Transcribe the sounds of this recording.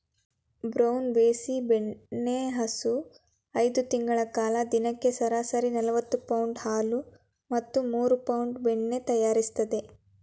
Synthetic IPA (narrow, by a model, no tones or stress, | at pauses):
bɾɐwnbeːsibeɳːe̞ɦɐsu | ɐjd̪ut̪iŋɡɐɭɐkaːlɐd̪inɐkːe̞sɐɾaːsɐɾinɐlɐʋɐt̪ːupɐwuɳɖhaːlu | mɐt̪ːumuːɾupɐwɳɖbeɳːe̞t̪ɐjaːɾist̪ɐd̪e̞